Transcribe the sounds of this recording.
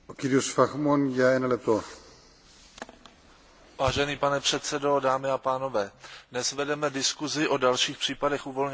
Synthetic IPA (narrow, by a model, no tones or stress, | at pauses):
okidiosfaxmonjaɛnalɛp̚t̪o | vaːʒɛniːpanɛpr̥ɛt̪sɛdo̞daːmɪapaːno̞vɛːdnɛsvɛdɛmɛdɪskuzɪʔo̞dalʃiːxpr̝̥iːpadɛxʔuːvo̞lɲ